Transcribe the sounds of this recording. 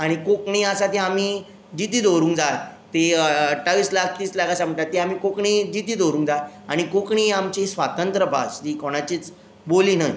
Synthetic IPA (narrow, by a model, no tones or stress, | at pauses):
aɽ̃ikokɳiasat̪eamiː | d͡ʑit̪iːd̪oɾũːŋkd͡zajt̪eʈaʋiːslak̚ʰt̪iːslakasam̤əɳʈ̪at̪ːeamiːkokɳiːd͡ʑit̪iːd̪oɾũːŋkd͡zaaɽ̃ikokɳiːamt͡ɕisʋat̪ənt̪ɾəbʱa̰sd͡ʑikoɽ̃at͡ɕiːt͡s | boliːnaj